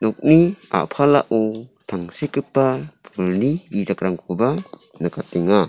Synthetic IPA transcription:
nɔk̚nia̰pʰalaʔut̪ʰaŋsekɯpːapʰɔlnibidakɾaŋkʰuba | nɯkat̪eŋa

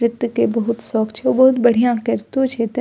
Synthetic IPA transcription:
ɾɪt̪wkebɐɦʊt̪sɔːkt͡ʃʰeɔbɐɦʊt̪bɐɽ̤ijãkɐɾt̪ut͡ʃʰeːt̪

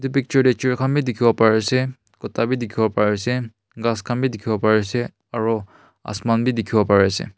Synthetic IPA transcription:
tupik̚t͡ʃɔɹdɛt͡ʃiɹkʰanbidikʰibɔpaɹɛsɛ | kɔtabidikʰibɔpaɹɛsɛ | ɡaskʰanbidikʰibɔpaɹɛsɛ | aɹu | a̰smanbidikʰibɔpaɹɛsɛ̰

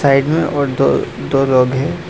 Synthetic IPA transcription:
saːɪɖmẽʔɔːɾd̪od̪oːloːɡɦɛː

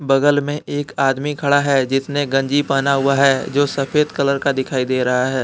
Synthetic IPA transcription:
bɐɡəlmẽeːkaːd̪mikʰɐɽaɦɛd͡ʒɪt̪neɡɐ̃ɲd͡ʒipaːnaɦʊaɦɛːd͡ʒoːsɐfeːd̪kɐləɾkad̪ɪkʰaːid̪eːɾɐɦaɦɛː

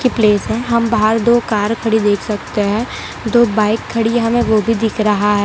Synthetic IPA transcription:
kipleːsɦɛ̃ɦɐmbaɦəɾd̪oːkaːɾkʰɐɽid̪eːkʰsɐk̚t̪eɦɛ̃ː | d̪oːbaːɪkʰːɐɽiɦɐmẽʋobʱid̪ɪkʰɾɐɦaɦɛː

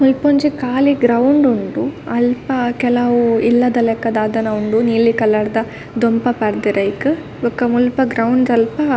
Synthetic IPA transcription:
mulpoɲd͡ʒikaːliɡɾɐwɳɖuɳɖuɐlpɐkɛlɐʋuilːɐd̪ɐlɛkːɐd̪aːd̪ɐnɐuɳɖuniːlikɐlːɐɽd̪ɐ | d̪ɔmpɐpɐɾd̪iɾɐjikɯ | ʋɐkːɐmulpɐɡɾɐwɳɖɐlpɐ

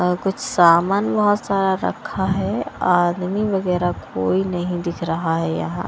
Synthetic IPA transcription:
kʊt͡ʃʰsaːmaːnbɐɦɔt̪saːɾaɾɐ̰kʰaɦɛaːd̪miʋɐɣɛːɾakoːinɐɦĩd̪ɪkʰɾɐɦaɦɛjɐ̰ɦãː

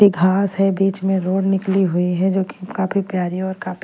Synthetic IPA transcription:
iɡʱaːsɦɛbiːt͡ʃmẽɾoːɽnɪkliɦʊiɦɛd͡ʒoːki̥kaːpʰipjaːɾĩɔːɾkaːpi

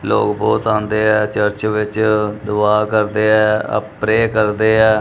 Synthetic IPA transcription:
lo̰ːkbɔːt̪ãːnd̪eːɛːt͡ʃəɾt͡ʃʋɪt͡ʃd̪ʊʋaːkəɾd̪eːɛːə̰pɾeːkəɾd̪eːɛː

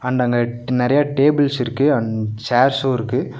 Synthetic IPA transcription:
ɐnd̪ɐːŋɡɐnɪɾɐjaʈeːbɪlsɪɾɯkːɯɐnsaːɾsoːɪɾɯkːɯ

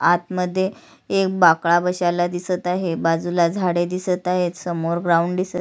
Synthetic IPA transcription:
at̪məd̪ʱːje | ek̚bakɭabəɕalad̪isət̪aɦebad͡zulad͡zʱaɽed̪isət̪aɦet̪səmoɾɡɾauɳɖd̪isə

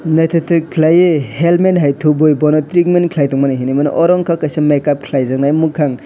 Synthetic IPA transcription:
najtʰɯtʰɯkʰlajehelmenɦajtʰubojbɔnɔtɾik̚menkʰlajtɔŋmanɯɦinimanɯ̰ʔɔɾɔŋkʰakajsɯmekap̚kʰlajzaŋnajmukʰaŋ

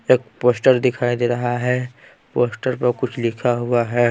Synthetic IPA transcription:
eːk̚poːsʈəɾd̪ɪkʰaːid̪eːɾɐɦaɦɛː | poːsʈəɾpɐɾkʊt͡ʃʰlɪkʰaɦʊaɦɛː

